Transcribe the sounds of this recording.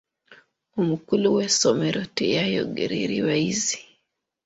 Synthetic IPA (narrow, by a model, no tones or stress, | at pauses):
umukuluwɛsɔmɛɾɔtejajɔ̰ɡḛɾiɾiwaizi̥